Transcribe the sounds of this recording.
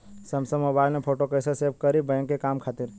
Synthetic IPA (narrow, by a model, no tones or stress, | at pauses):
sɐmsəmoːbaːɪlnepʰoːʈokəɪseseːb̚kəɾibɛ̃ːŋkːekaːmkʰaːt̪ɪɾ